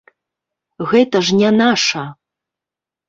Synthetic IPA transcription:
ɣɛt̪ɐʐnʲanaʂɐ

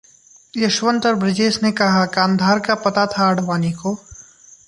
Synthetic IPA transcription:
jɐʃʋə̃nt̪əɾbɾɪd͡ʒeːsnekɐɦakãːnd̪ʱaːɾkapɐt̪at̪ʰaəɽ̤ʋaːniko

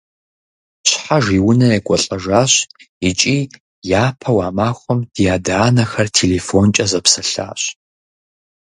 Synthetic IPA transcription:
ɕħaʒiːwʊnɐekʷʼɔɬʼɐʒaːɕ | it͡ʃʼiː | jaːpʰɐwaːmaːxʷɔmd̥jaːdaːnɐxɐrtʰeːleːfont͡ʃʼɐzɐpsɐɬa̰ːɕ

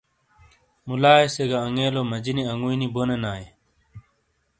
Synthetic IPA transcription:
mulaːeseɡaɐŋeːloːmɐd͡ʑiniɐŋuinibonenaːe

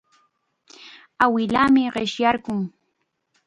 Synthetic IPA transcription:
awɪlaːmɪɢɪʃjaɾɢʊŋ

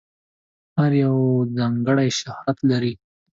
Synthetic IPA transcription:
haɾjawzɑŋɡəɽajʃahat̪laɾi

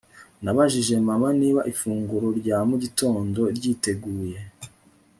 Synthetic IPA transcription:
naβaʒiʒe̞mamaniːβaʔifuːŋɡuɾo̞ɾɟaːmuɟito̞ːndo̞ɾɟiːte̞ɡuːje̞

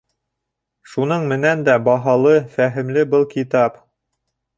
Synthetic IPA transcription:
ʃun̪ɤɴmɘ̆nænd̪æbɑɦɑlˠɤfæɦɘ̆mlɘbɤlˠkit̪ɑp

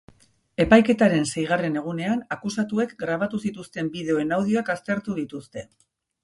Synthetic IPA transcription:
e̞pajke̞t̪aɾe̞nse̞jɣ̞are̞ne̞ɣ̞une̞anakusat̪ue̞kɡɾaβ̞at̪usit̪ust̪e̞mbiðe̞o̞e̞nawð̞ioakast̪e̞ɾt̪uðit̪ust̪e̞

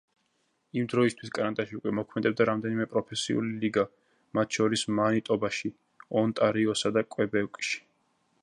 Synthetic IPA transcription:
imd̪ɾɔist̪ʰwiskʼanat̪ʼaʃiukʼwɛmɔkʰmɛd̪ɛb̚d̪aɾamd̪ɛnimɛpʼɾɔpʰɛsḭṵliliɡa | mat̪ʰʃɔɾismanit̪ʼɔbaʃi | ɔnt̪ʼaɾiɔsad̪akʼwɛbɛwkʼʃi̥

